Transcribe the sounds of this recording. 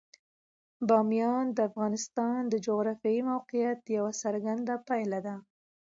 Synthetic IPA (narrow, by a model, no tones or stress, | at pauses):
bɑmjɑnd̪əafɣɑnɪst̪ɑnd̪əd͡ʒoɣɾɑfjɑimawqijat̪̚jawasaɾɡand̪apajlad̪a